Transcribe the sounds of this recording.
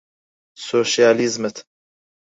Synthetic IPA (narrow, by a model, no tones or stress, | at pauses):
soːʃijaːlizmət̪ʰ